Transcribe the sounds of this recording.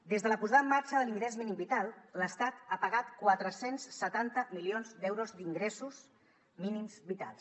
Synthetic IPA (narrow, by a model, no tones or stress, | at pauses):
d̪ezðələpuzaðəmːaɾt͡ʃəðəliŋɡɾɛzminimbit̪alˠləst̪at̪apəɣat̪kwat̪ɾəsensːət̪ant̪əmilionzd̪ɛwɾozd̪iŋɡɾɛsus | minimzbit̪a̰lˠs